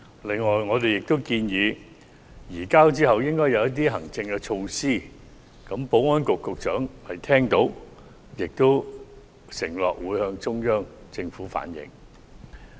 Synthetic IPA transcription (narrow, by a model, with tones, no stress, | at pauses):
lɪ˨ŋːɔː˨jŋɔː˨˧t̪̬e˨jɪ˨k̚t̪o˥wkiː˧njiː˨˧ | jiː˨˩kaː˥wt͡siː˥hɐ˨wjɪ˥ŋkɔː˥jɐ˨˧wjɐ˥t̪̬iː˥ɦɐ˨˩ŋt͡sɪ˧ŋkɛ˧t͡ʃʰo˧wsiː˥˩ | kɐ˨˥mpo˨˥wŋɔː˥nkʊ˨kːʊ˨k̚t͡ʃœː˨˥ŋhɐ˨jt̪ʰɛː˥ŋt̪o˨˥w | jɪ˨k̚t̪o˥w | sɪ˨˩ŋlɔ̰ː˨˩k̚wuː˨˧jhœː˧ŋt͡sʊ˥ŋjœː˥ŋt͡sɪ˧ŋfuː˨˥fa̰ː˨˥njɪ̰˨˧˥ŋ